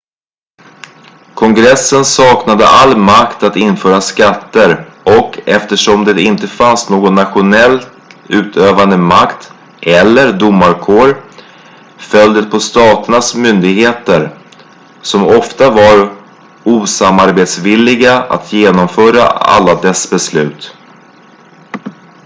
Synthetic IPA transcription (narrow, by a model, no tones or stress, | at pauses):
kʰɔŋɡɾɛsːənsɑːknad̪ə̰ʔalːmakt̪at̪ɪnːfœːɾaskat̪ːəɾʔɔkɛft̪əʂɔmd̪ɛɪnt̪əfansnoːɡɔnːat̪ɧʊnɛlt̪ | ʉ̟ːt̪ʰøːvand̪əmakt̪ | ʔɛlːəɾd̪ʊmːaɾkʰoːɾ | fœld̪ət̪̚pʰɔst̪ɑːt̪əɳasmʏnd̪ɪɡheːt̪əɾ | sɔmɔft̪avaɾ | uːsamaɾbeːt̪svɪlːɪɡaa̰t̪ʰjeːnɔmfœːɾa̰a̰lːad̪ɛsbɛslʉ̟ːt̪